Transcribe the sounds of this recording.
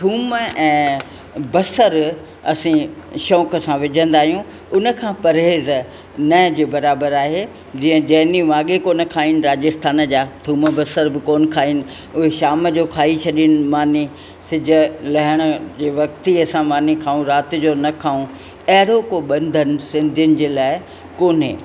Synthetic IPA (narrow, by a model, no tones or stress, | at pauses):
t̪ʰuːməɛ̃ː | bɐsəɾ | ɐsĩʃɔːkə̆sãʋɪd͡ʑʱə̃n̆d̪aːɦijũ | ʊnə̆kʰãːpɐɾɦeːz | nɐd͡ʑeːbɐɾaːbəɾaːɦeː | d͡ʑĩːə̃d͡ʑɐɦɪniʋaːɠekoːnə̆kʰaːinɪ̆ɾaːd͡ʑɪst̪ʰaːnd͡ʑaːt̪ʰuːməbɐsəɾbɪkoːnkʰaːinɪ̆ | ʊɦeʃaːməd͡ʑokʰaːit͡ɕʰɐɗiənɪ̆maːni | sɪd͡ʑʱə̆lɐɦɪɽ̃ə̆d͡ʑeːʋɐkt̪iɐsãmaːnikʰaːũɾaːt̪ɪ̆d͡ʑoːnɐkʰaːũ | ɐɦɪɾokoɓɐ̃nd̪ʱənɪ̆sɪ̃nd̪ʱjʊnɪ̆d͡ʑeːlaːɪ | koːnɪ̰